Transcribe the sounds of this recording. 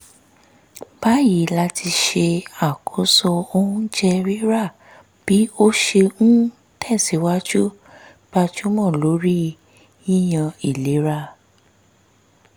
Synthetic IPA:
b̥a˦ji˨˦la˦tʰi˧ʃe˧a˨kʰo˨˦sɔ˧o˧ũ˦d͡ʒɛ˧ɾi˦ɾa˦˨ | b̥i˨˦o˦ʃe˧ñ̩˦ | tʰɛ˦˨si˨˦wa˦d͡ʒu˦ | b̥a˧d͡ʒu˦mɔ̃˦˨lo˨˦ɾi˦ | jĩ˦j̃ã˧i˦˨le˨˦ɾa˦

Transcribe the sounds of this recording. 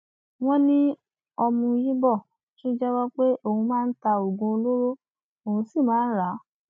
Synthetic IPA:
w̃ɔ̃˦nĩ˦ | ɔ˧mũ˧ji˦bɔ˦˨ | ʃĩ˦d͡ʒɛ˦wɔ˦k͡pe˦o˧˨hũ˧mãː˦˧n̩˦ta˧o˨ɡũ˧o˧lo˦ɾo˦ | o˨ũ˧si˦˨mãː˨˦n̩˦ɾa˨˦

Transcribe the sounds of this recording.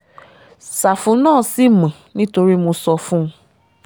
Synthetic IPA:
sa˨fũ˨˦nãː˦˨si˦˨mɛ̃˨nĩ˦to˧ɾi˦mo˧sɔ˧fũ˦˧

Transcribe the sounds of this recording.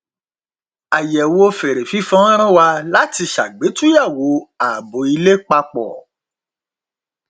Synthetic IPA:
a˨jɛ˨wo˦˧fe˨ɾe˨fi˨˦fɔ̃˦ɾ̃ã˦wa˧la˦ti˧ʃa̰˨ɡ͡be˨˦tũ˦ja˦˨wo˨˦a˨bo˨˦i˧le˦k͡pa˧k͡pɔ̰˨

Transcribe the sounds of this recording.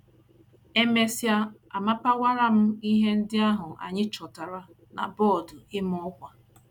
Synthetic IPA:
e˦me˦sja˦a˨ma˦pa˦wa˦ɾa˦m̩˦i˦ɦe˦n̩˦dɪ˦a˦ɦʊ˨ʔa̰˨ɲɪ˦t͡ʃɔ˨ta˨ɾa˦ | na̰˨bɔ˦˨dʊ˨ɪ˦mɔ˦kʷa˨

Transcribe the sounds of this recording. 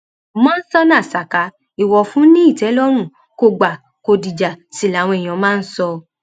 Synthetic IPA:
mɔ̃˦n̩˦sɔ˧nã˦˨sa˨ka˨˦ | i˨wɔ˧fũ˦nĩ˦i˦˨tɛ˨˦lɔ˦ɾ̃ũ˦˨ | ko˧˨ɡ͡ba˨ | ko˧di˨d͡ʒa˨ti˨la˨˦˨w̃ɔ̃˧e˨j̃ã˨˦mãː˦˧n̩˦sɔ˧

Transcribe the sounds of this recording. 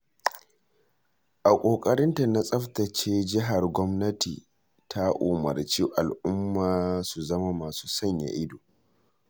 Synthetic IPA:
ʔa˨kʷʼoː˨kʼɐ˦ɾɪ˦nta˨na˦sʼɐ˦ɸtɐ˨t͡ʃeː˦d͡ʒɪ˦ɦa˨rɡʷɔ˦mnɐ˦tḭ˨ | tʰa˦ʔʊ˨mɐ̰˨rt͡ʃi˦ʔa˨lʔʊ˦mːaː˨su˨zɐ˦ma˦maː˨suː˦sɐ˦ɲja̰˨ʔɪ˦doː˨

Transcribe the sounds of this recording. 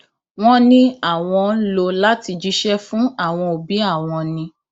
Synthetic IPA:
w̃ɔ̃˦nĩ˦a˦˨w̃ɔ̃˧˦lo˧la˦ti˧d͡ʒi˦ʃɛ˦fũ˦a˦˨w̃ɔ̃˧o˨bi˨˦a˦˨w̃ɔ̃˧nĩ˧

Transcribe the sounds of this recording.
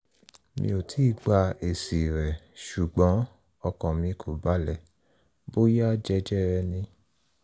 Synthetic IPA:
mḭ̃˧˦o˨tʰi˨˦˨ɡ͡ba˧e˨si˨ɾɛ˨ʃu˨ɡ͡bɔ̃˨˦ | ɔ˧kɔ̃˨mĩ˧kʰo˨ba˨˦lɛ˦˨ | bo˦ja˦d͡ʒɛ˧˦d͡ʒɛ˦˨ɾɛ˧nĩ˧

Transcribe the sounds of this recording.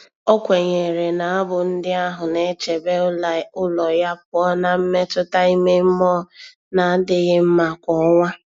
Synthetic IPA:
ɔ˦kʷe˨ɲe˨ɾe˨na˨a˦bʊ˨n̩˦dɪ˦a˦ɦʊ˨ne˦t͡ʃe˨be˦ʊ˦la˨˦ʊ˦lɔ˨ja˦p̚ʊ˨˦ɔ˦na˦m̩˦me˦tʊ˦ta˦i˦me˦m̩˦mɔ˦ | na˨˦dɪ˦ɣɪ˦m̩˦ma˨kʷɔ˨˦ŋʷa˦

